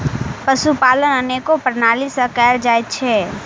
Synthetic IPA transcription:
pəsupaːlənəneːkopəɾnaːlisəkɛːld͡ʒaːjt̪t͡ʃʰɛ

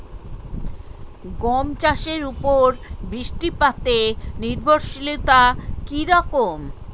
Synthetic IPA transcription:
ɡɔmt͡ɕaʃeɾupoɾbɾiʃʈipat̪eniɾbʱoɾʃilot̪akiɾɔkom

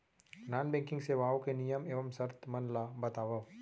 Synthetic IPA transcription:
naːnbɛ̃ːkɪ̃ŋɡseʋaːokenijəmeːʋəmsɐɾt̪mɐnlabɐt̪aːʋɐʋ

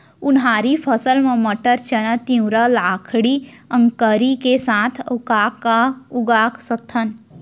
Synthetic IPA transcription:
unɦaːɾipʰəsəlmɐ̃məʈəɾt͡ʃənət̪ĩw̃ɾəlaːkʰɽiə̃ŋkəɾikesãːt̪ʰkaːkauɡaːkʰsət̪ʰːən

